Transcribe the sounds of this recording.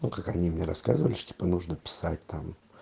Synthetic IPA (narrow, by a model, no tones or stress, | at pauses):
nukakɐnʲimnʲeɾɐskazɨvəlʲɪʂtʲi̥pənuʐnəpʲɪ̥sat̚ʲt̪am